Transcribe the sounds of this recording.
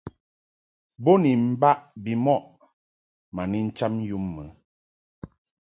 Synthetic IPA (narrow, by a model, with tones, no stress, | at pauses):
bo˦ni˨m̩˦ba˦ʔbi˨mɔ˦ʔ | ma˨ni˦n̩˦t͡ʃa˦m˦ju˦mːə˨˦